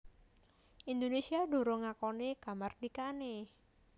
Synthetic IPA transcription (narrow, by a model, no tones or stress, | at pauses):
ʔind̪onesiaɖo̤ɾoŋakɔnekamard̥̪ikane